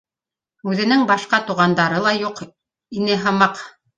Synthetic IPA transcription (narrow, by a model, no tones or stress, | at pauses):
ʉðɘ̆nɘŋbɑʃqɑt̪uʁɑnd̪ɑɾɤlˠɑjuq | inɘɦɤ̆mɑq